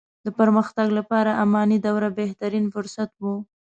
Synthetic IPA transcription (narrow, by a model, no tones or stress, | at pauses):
d̪əpəɾməxt̪aɡlapɑɾaʔamɑnid̪awɾabeht̪aɾinfʊɾsat̪wu